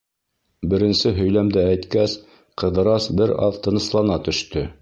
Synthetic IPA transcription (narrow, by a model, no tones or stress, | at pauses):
bɘ̆ɾɘ̆nsɘɦɵ̆jlæmd̪ɘæjt̪kæs | qɤ̆ðɤ̆ɾɑsbɘɾɑ̰ðt̪ɤ̆nɤ̆slˠɑnɑt̪ɵ̆ʃt̪ɵ